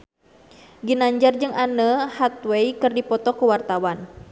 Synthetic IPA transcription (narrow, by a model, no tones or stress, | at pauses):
ɡinaɲd͡ʒard͡ʒɨŋanəhat̪̚wejkɨrdipɔt̪ɔkuwart̪awan